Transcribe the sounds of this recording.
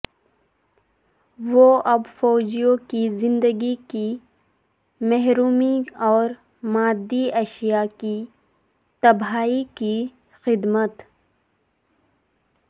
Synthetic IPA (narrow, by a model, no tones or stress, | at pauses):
ʋoɐbfɔːd͡ʒijõkizɪ̃nd̪əɡiki | mɛɦɾuːmiɔːɾ | maːd̪ːiɐʃijaki | t̪ɐbɦaːiki | xɪd̪mət̪